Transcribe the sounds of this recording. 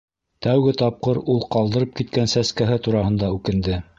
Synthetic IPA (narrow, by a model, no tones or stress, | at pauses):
t̪æwɡɘt̪ɑp̚qɤɾulˠqɑlˠd̪ɤ̆ɾɤp̚kit̪̚kænsæskæɦɘt̪uɾɑɦɤ̆nd̪ɑʉkɘ̆nd̪ɘ